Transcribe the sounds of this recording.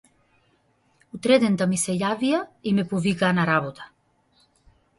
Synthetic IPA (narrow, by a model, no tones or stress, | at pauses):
ut̪ɾɛd̪end̪amiseʎaviaimepuvikanaɾaβot̪ḁ